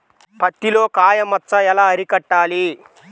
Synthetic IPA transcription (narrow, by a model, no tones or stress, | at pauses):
pɐt̪ːilo̞ːkaːjɐmɐt̪sɐɛlaːɐɾikɐʈːaːli